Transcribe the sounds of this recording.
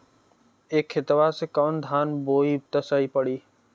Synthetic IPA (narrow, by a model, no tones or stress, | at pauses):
eːkʰːɪt̪ʋasekaːnd̪ʱaːnboːit̪əsaːipəɽiː